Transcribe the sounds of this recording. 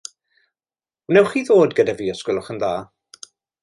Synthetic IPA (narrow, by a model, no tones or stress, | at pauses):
nɛwχiðoːdɡədaviːɔskwɪlˠʊχənðaː